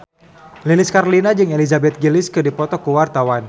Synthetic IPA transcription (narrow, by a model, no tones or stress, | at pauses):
lilɪskarlinad͡ʒɨŋelizabɛt̪̚ɡilɪskɨdipɔt̪ɔkuwart̪awan